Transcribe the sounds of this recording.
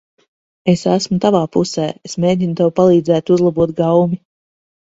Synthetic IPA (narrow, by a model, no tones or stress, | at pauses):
esæsmut̪avaːpusɛːesmeːd̪ʲinut̪ewpalˠiːd̪zæːt̪uzlˠabuɔt̪̚ɡawmi